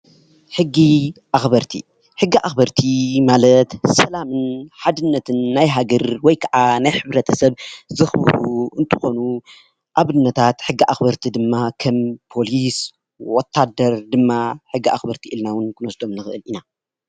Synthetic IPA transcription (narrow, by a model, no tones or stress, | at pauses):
ħɨɡːiʔaxbɐɾt̪ʰḭ | ħɨɡːiʔaxbɐɾt̪ʰimalɐt̪sɐlamɨnħad̪ɨnːɐt̪ʰɨnːajɦaɡɐɾwɔjkʰɐʕanajħɨβɾɐt̪ʰɐsɐβzɨxbɨ̰ɾuɨnt̪ʰɨ̥xo̞nu | ʔaβɨnːɐt̪ʰat̪ħɨɡːiʔaxbɐɾt̪ʰid̪ɨmːakʰɐmpʰo̞lis | wɔt̪ʰːad̪ɐɾd̪ɨmːaħɨɡːiʔaxbɐɾt̪ʰiʔɨlnawɨnkʰɨnɔsd̪o̞mnɨxɨʔɨlina